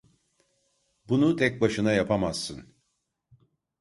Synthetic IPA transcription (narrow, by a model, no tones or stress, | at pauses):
bunut̪ʰɛc̚baʃɯnajapʰamaz̥ːɯn